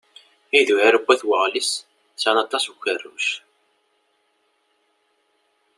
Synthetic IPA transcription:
iðuʕæɾəbʷːæθwəʁlis | sænɑt̪ˤːɑsuçərːṵʃ

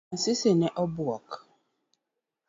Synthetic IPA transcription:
sɪsenɛʔɔbuɔk

